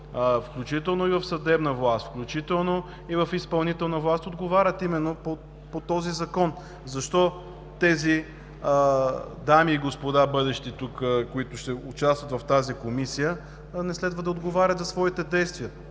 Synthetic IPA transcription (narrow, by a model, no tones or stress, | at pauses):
fklʲut͡ʃit̪ɛlˠnoivɐfsɐd̪ɛbnəvlˠast̪fklʲut͡ʃit̪ɛlˠno | ivɐfispɐlˠnit̪ɛlˠnəvlˠast̪od̪ɡovaɾʲət̪imɛnːopo | pot̪ɔzizɐkɔn | zɐʃt̪ɔ | t̪ɛzi | d̪amiːɡospod̪abɤd̪ɛʃt̪it̪ukkoit̪ʊʃt̪ɛʊt͡ʃast̪vət̪vɐft̪azikomisijə | nɛslɛd̪vəd̪ɐod̪ɡovaɾʲət̪zɐsvɔit̪ɛd̪ɛjst̪viə